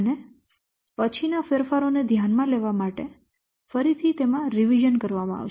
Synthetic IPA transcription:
ne | pət͡ʃʰinafeɾfaɾoned̪ʱjanmãleʋamaʈe | fəɾit̪ʰit̪emãɾiʋid͡ʒənkəɾʋamãa̰ʋ

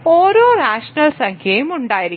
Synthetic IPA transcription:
oːɾoːnaːʂɐnɐlsɐŋkʰjɐjumuɳɖaːjiɾi

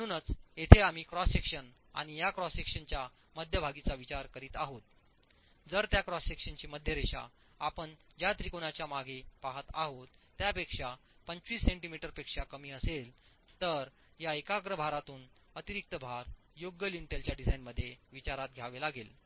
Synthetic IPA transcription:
məɽ̃uːnət͡set̪ʰeam̤iːkɾɔsekʂən | a̰ɽ̃ijakɾɔsekʂənt͡ɕja | məd̪ʱjəbʱaɡit͡saʋit͡ɕaɾkəɾiːt̪aɦot̪̚ | d͡zəɾt̪jakɾɔsekʂənt͡ɕiːməd̪ʱjəɾeɕa̰ | apəɳd͡ʑat̪ɾikonat͡ɕjamaɡʱepaɦət̪aɦot̪ːjapekʂapəɲt͡sʋiːsːẽɳʈimiʈəɾpekʂakəmiːəsel | t̪əɾ | jaekaɡɾəbʱaɾat̪uːn | ət̪iɾik̚t̪əbʱaɾ | joɡjəlinʈelt͡ɕjaɖid͡zajnməd̪ʱːjeʋit͡ɕaɾat̪̚ɡʱjaʋelaɡel

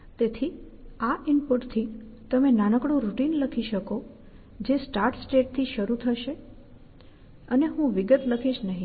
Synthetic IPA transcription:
t̪et̪ʰi | aʔɪmpuʈt̪ʰit̪əmenañəkɽũɾuʈinləkʰiʃəko | d͡ʒesʈaɾʈsʈeʈ̚t̪ʰiʃəɾut̪ʰəʃe | əneɦũʋɪɡət̪ləkʰiʃnəɦĩ

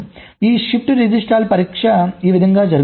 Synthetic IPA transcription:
iːsip̚ʈɾid͡ʒisʈaːlpɐɾiːkʂɐiːʋid̪ʱɐŋɡaːd͡ʒɐɾɡ

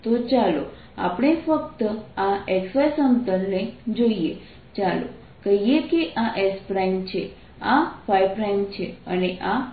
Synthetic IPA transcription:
t̪ot͡ʃalo | a̰pɳ̃efək̚t̪əaeksʋajsənt̪ənned͡ʒoie | t͡ʃalo̰ | kəɦijekeʔaʔespɾaimt͡ʃʰe | afajpɾaimt͡ʃʰeə̰neʔa

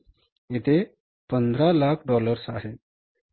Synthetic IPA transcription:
it̪ʰe | pənd̪ʱɾalakʰɖɔləɾsaɦe

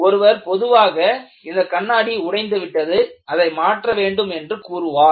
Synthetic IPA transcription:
ɔɾɯʋɐɾpɔðɯʋaːɣɐ | ɪnd̪ɐkɐɳːaːɽiʊɽɐɪnd̪ɯʋɪʈːɐðɯɐðɐɪmaːʈrɐʋeːɳɖɯmɛndrɯkuːɾɯʋaː

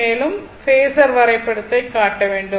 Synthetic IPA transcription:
eːlumfeːsɐrʋɐrɐjɐpːeɽut̪ːɐkːaːʈːɐʋe̞ːɳɖu

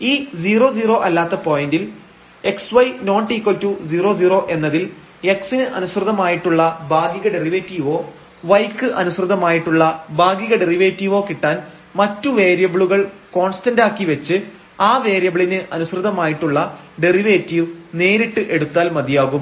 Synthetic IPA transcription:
iːd͡ʑiːro̞ːd͡ʑiːro̞ːʔɐlːaːt̪ːɐpo̞ːjindil | e̞ksʋɐjno̞ːɳʈːiːkːoltːud͡ʑiːro̞ːd͡ʑiːro̞ːʔe̞nːɐðil | e̞ksinɨʔɐnusrɨðɐmaːjiʈːuɭːɐbaːɡiɣɐɖe̞riʋeːtːiːʋo̞ː | ʋɐjkːɨʔɐnusrɨðɐmaːjiʈːuɭːɐbaːɡjiɣɐɖe̞riʋeːtːiːʋo̞ːkiʈːaːn | mɐtːuʋe̞ːɾjɐbɭuɣɐɭko̞ːnstɐndaːkːiʋɐt͡ɕːɨ | aːʋe̞ːɾjɐbɭinɨʔɐnusrɨðɐmaːjiʈːuɭːɐ | ɖe̞riʋeːtːiʋne̞ːɾiʈːɨʔe̞ɽut̪ːaːlmɐd̪ijaːɣum

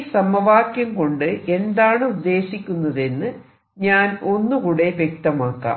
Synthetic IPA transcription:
sɐmɐʋaːkjɐmko̞ɳɖɨʔe̞nd̪aːɳɨud̪ːe̞ːɕikʲːunːɐðe̞nːɨ | ɲaːno̞nːukuːɽe̞ʋjek̚t̪ɐmaːkːa̰ː

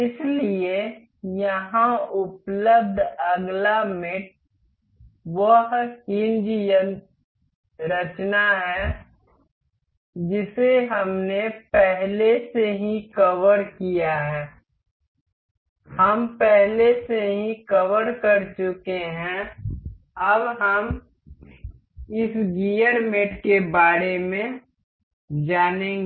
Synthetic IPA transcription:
ɪslie | jɐɦãʊpləb̚d̪ʱəɡlamɪʈ̚ | ʋəɦkɪnd͡ʒjən | ɾət͡ʃnaɦɛː | d͡ʒɪseɦɐmnepɛɦleseɦĩkəʋəɾkijaɦɛː | hɐmpɛɦleseɦĩkəʋəɾkəɾt͡ʃʊkeɦɛ̃ | əbɦəm | ɪsɡijəɾmeːʈkebaːɾemẽ | d͡ʒaːnẽɡ

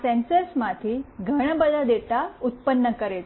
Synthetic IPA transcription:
sɛ̃nsəsmat̪ʰiːɡʱəɽ̃bəd̪ʱad̪et̪aut̪̚pənːəkəɾet̪

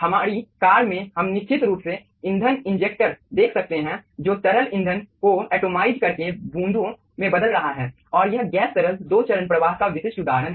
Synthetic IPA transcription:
hɐmaːɾikaːɾmẽhɐmnɪkt͡ʃɪt̪ɾuːpse | ɪ̃nd̪ʱənɪ̃nd͡ʒeːk̚ʈʈəɾd̪eːkʰsɐk̚t̪eɦɛ̃d͡ʒoːt̪ɐɾəlɪ̃nd̪ʱənkoɛːʈoːmaːɪd͡ʒkɐɾkebũːnd̪ʱõ | mẽbɐd̪əlɾɐɦaɦɛː | ɔːɾjɐɦɡɛːsɐɾəld̪oːt͡ʃəɾənpɾəʋaːɦkaʋɪʃɪʃʊd̪aːɾənɦ

